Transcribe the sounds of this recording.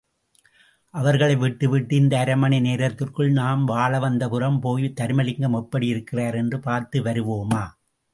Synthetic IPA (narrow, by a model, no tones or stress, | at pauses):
ʔɐʋɐɾɣɐɭɐɪʋɪʈːɯʋɪʈːɯɪnd̪ɐːɾɐmɐɳɐɪneːɾɐɾt̪ːɪrkɯɭnaːmʋaːɭɐʋɐnd̪ɐpɯɾɐmpoːjɯt̪ːɐɾmɐlɪŋɡɐmɐpːɐɽɪjɪɾɯkːɪraːɾɛndrɯpaːɾt̪ɯʋɐɾɯʋoːmaː